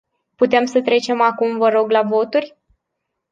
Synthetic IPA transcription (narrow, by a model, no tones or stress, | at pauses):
put̪e̞msət̪ɾe̞t͡ʃe̞makumvəɾo̞ɡlavo̞t̪urʲ